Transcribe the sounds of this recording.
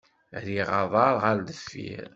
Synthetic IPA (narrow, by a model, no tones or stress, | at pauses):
ɾiʁɑðˤɑɾˤʁald̪əfːḭɾ